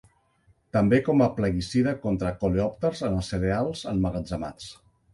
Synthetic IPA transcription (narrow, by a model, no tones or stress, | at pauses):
t̪əmbekɔməpləɣisiðəkɔnt̪ɾəkoleɔp̚t̪əɾzənəseɾealˠzənməɣəd͡zama̰t͡s